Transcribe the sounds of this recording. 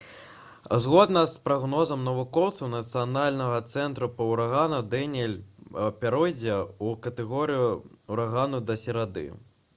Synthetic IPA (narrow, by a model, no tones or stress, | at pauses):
zɣɔd̪nɐspɾaɣnɔzɐmnɐvukɔwt̪sɐwnɐt̪sɨjanalʲnɐɣɐt̪sɛnt̪ɾupɐwɾaɣanud̪ɛnʲɛlʲpʲaɾɔjd͡zʲɛukɐt̪ɛɣɔɾɨjuuɾaɣanud̪ɐsʲɛɾad̪ɨ̰